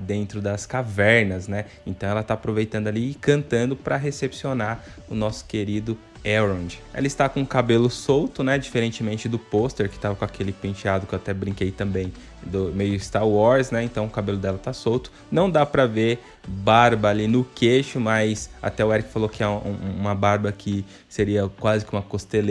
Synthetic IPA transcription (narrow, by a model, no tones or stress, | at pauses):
d̪ẽnt̪ɾʊd̪ɐskavɛɾnɐznɛ | ẽnt̪ɐ̃w̃ɛlɐt̪aapɾovejt̪ɐ̃nd̪ʊaliɪkɐ̃nt̪ɐ̃nd̪ʊpɾɐɦesepsionaɾ | ʊnɔsʊ̥keɾid̪ʊ | ɛɾõd͡ʒɪḛlɐɪst̪akõkabelʊsowt̪ʊnɛd͡ʒifeɾẽnt͡ʃɪmẽnt͡ʃɪd̪ʊpost̪eɾkɪ̥t̪avɐkõakʰelɪpĩt͡ʃiad̪ʊkewat̪ɛbɾĩŋkejt̪ɐ̃mbẽj̃ | d̪ʊmejʊɪst̪aɾwɔɾsnɛẽnt̪ɐ̃w̃ʊkabelʊd̪ɛlɐt̪asowt̪ʊ̥ | nɐ̃w̃d̪apɾɐveɾ | baɾbɐːlinʊkeʃʊmɐjsa̰t̪ɛʊɛɾikɪ̥falokɪɛṵ̃mɐbaɾbɐkʰɪ | seɾiɐkwazɪkɪũmɐkost̪el